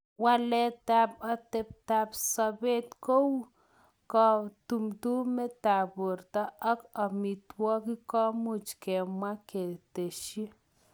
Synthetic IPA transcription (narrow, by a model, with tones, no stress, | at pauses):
wa˧le˧t̪a˧p̚a˧t̪e˧b̚t̪a˧bsa˧be˦t̪ko˦w | ka˧t̪u˨md̪u˦me˦t̪a˨bo˨ɾt̪aː˦ka˨mi˨t̪wɔ˦ɡi˦kɔ˦mu˦˨t͡ʃke˨ma˦ke˨t̪e˨ʃi˦